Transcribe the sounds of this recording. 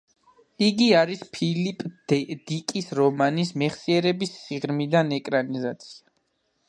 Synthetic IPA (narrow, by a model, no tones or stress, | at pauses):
iɡiaɾispʰilipʼd̪̥ikʼisɾɔmanismɛχsiɛɾɛbisːiʁɾmid̪anɛkʼɾanizat̪sʰi̥a